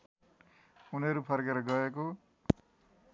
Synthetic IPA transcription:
unʌɾupʰʌrkeɾʌɡʌeko

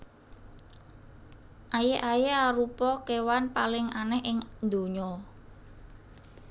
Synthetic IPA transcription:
ʔajeʔajeaɾupɔkewanpalɪŋanɛɦɪŋnd̪o̤ɲɔ

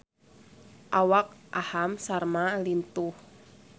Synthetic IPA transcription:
ʔawak̚ʔahamsarmalint̪ʊh

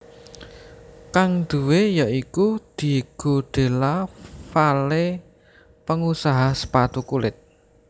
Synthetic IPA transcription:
kaŋd̪̥uwejaikud̪̥i̤ɡ̥o̤ɖ̥e̤lafale | pəŋusaɦasə̥pat̪ukulɪt̪̚

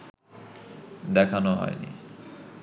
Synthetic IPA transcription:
d̪ɛkʰanoɦɔ̰jnḭ

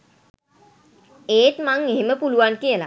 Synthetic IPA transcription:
eːtmaŋeɦeməpuluʋankiəla̰

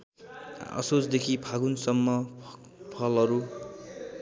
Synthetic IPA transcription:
ʌ̰sot͡sd̪ekʰipʰaɡunsʌmːʌ | pʰʌlʌɾu

